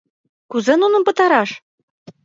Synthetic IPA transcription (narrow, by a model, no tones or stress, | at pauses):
kuzĕnunɤ̆mpɤ̆t̪ɑɾɑʃ